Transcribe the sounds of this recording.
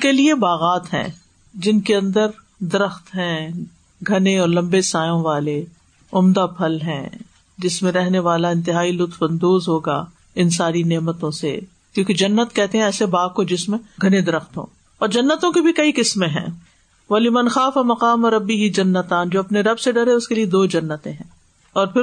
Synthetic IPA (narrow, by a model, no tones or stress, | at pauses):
keliebaːɣaːt̪ɦɛ̰̃ː | d͡ʒɪnkeɐ̃nd̪əɾ | d̪ɐɾəxt̪ɦɛ̃ː | ɡʱɐneɔːɾlɐ̃mbesaːjõʋaːle | ʊmd̪apʰɐlɦɛ̰̃ː | d͡ʒɪsmẽɾɛɦneʋaːlaɪ̃nt̪ɪɦaːilʊt̪fɐ̃nd̪oːzɦoːɡa̰ː | ɪnsaːɾineːmət̪õsḛ | kjõːked͡ʒɐnːət̪kɛɦt̪eɦɛ̃ɛːsebaːɡ̚kod͡ʒɪsmɡʱɐned̪ɐɾəxt̪ɦõ̰ː | ɔːɾd͡ʒɐnːət̪õkibʱikɐikɪsmẽɦɛ̰̃ː | ʋɐlɪmɐnxaːfamɐqaːmɐɾɐbːiɦid͡ʒɐnːət̪ãːnd͡ʒoːɐpneɾɐbseɖɐɾẽʊskelied̪oːd͡ʒɐnːət̪ẽɦɛ̃ː | ɔːɾpʰɪɾ